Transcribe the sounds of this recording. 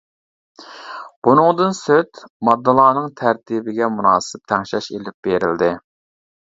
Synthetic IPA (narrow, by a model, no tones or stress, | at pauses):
b̥unɨŋd̪ɨnsøt̪mɑd̪ːɨlˠɑːnɨŋt̪ʰæɾt̪ʰibɪɡʲɛmunɑːsɪp̚t̪ʰɛŋʃɛʃelɪp̚b̥eɾɪld̪ɪ